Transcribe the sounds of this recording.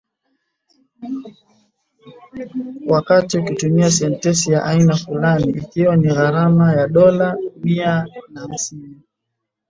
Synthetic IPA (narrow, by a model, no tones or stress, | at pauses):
wakatiukitumias̬ɛntɛsijaʔainafulaniʔːkiwaniɣaɾamajaɗɔlamianam̩sini